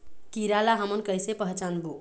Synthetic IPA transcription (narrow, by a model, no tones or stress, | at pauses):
kiɾalaɦəmənkəjsepəɦt͡ʃanbo